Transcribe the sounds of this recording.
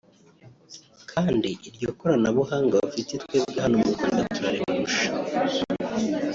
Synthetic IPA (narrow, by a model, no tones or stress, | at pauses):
kʰaːndiʔiɾɟoːkoɾanaβuɦaːŋɡaβafitetweːbɡaɦanomukoɾɡatuɾaɾemuɾuʃḁ